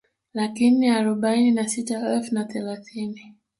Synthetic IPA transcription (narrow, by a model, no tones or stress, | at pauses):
lakiniaɾɔɓaininasitaɛlfunaθɛlaθini